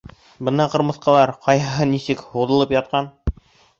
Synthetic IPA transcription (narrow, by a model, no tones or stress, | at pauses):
bɤnd̪ɑqɤ̆ɾmɤ̆θqɑlˠɑɾqɑjɦɤ̆ɦɤnisɘkhuðɤ̆lˠɤpjɑt̪̚qɑn